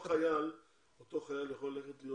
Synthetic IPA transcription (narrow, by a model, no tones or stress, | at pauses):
χajal | ot̪oχajaljaχolːeχet̪lijo